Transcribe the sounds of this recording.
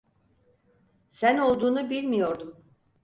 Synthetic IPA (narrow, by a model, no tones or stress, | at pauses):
sæno̞lˠd̪uːnubilʲmijo̞ɾd̪um